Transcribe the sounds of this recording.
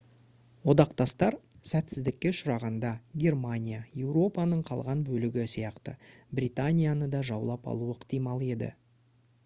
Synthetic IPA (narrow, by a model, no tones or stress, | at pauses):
wo̞d̪ɑqt̪ɑst̪ɑɾsæt̪sɪzd̪ɪkʲːe̞ʃʊɾɑʁɑnd̪ɑɡʲe̞rmanʲijaje̞wɾo̞pɑnəɴqʰɑ̰lˠʁɑnbɵlɪɡʲɪsijɑqt̪ə̰brʲit̪anʲijanəd̪ɑʒɑwlˠɑpɑ̰lˠuəɪqt̪ijmɑlˠe̞d̪ɪ̰